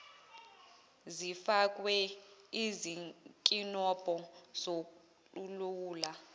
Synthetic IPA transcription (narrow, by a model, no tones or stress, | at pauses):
zifak̬wɛizikʼinɔb̥ʱɔz̥o | luluwuːla